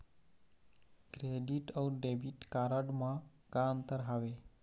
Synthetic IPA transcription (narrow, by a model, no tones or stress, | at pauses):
kɾeɖiʈɔwɾɖebiʈkaɾəɖmã | kaənt̪əɾɦaʋe